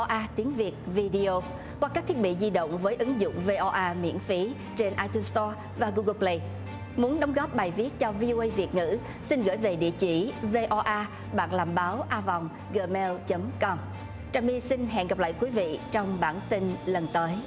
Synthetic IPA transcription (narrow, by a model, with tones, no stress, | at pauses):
ʔaː˧t̪i˨˦ənvi˨˩ət̚vi˧ɗi˧o˧ | kwaː˧kaː˦˥k̚t̪ʰi˦˥ət̚ɓḭ˧˨zi˧ɗə̰˧˨wŋ͡mvəː˨˦jʔɨ˨˦ŋzʊ̰˧˨ŋ͡mve˧ʔɔ˧ʔaː˧mḭ˧˥ənfi˨˦ | t͡ɕe˧nʔaː˧jt̪u˧nst̪ɔ˧ | vaː˨˩ɣu˧ɣə˧plə˧j | mu˨˦ənɗə˨˦wŋ͡mɣɔ˦˥p̚ɓaː˨˩jvi˦˥ət̚t͡ɕɔ˧vi˧ʔo˧ʔə˧jvi˨˩ət̚ŋɨ̰˧˥ | si˧nɣə̰ː˧˩jve˨˩ɗḭ˧˨ət͡ɕi˧˩ve˧ʔɔ˧ʔaː˧ | ɓa̰ː˧˨nlaː˨˩mɓaː˨˦wʔaː˧vɔ˨˩wŋ͡m | ɣəː˧˩mɛ˧lt͡ɕə˨˦mkɔ˧m | t͡ɕaː˨˩mi˧si˧nɦɛ̰˧˨nɣə˨˩p̚la̰ː˧˨jkwi˨˦vḭ˧˨t͡ɕɔ˧wŋ͡mɓaː˧˩nt̪i˧nlə˨˩nt̪əː˨˦j